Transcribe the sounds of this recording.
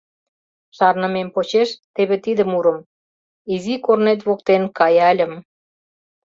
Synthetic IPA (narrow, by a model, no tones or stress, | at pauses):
ʃɑrnəmempot͡ɕeʃt̪eβet̪id̪ə̆muɾə̆m | izikornet̪̬βok̚t̪enkɑjælʲə̆m